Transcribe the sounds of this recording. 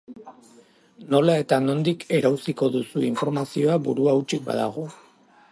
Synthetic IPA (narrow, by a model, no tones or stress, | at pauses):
no̞lae̞t̪ano̞nd̪ike̞ɾawsiko̞ðusuiɱfo̞ɾmasio̞abuɾuawt͡ʃik̚ba̰ða̰ɣ̞o̞